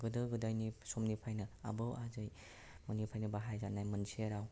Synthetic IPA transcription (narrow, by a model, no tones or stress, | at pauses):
ɡɯdɯɡɯdajnisomnipʰajnɯa̰bɯwazɯj | mɯnipʰajnɯbaɦajzanajmɯnseɾaw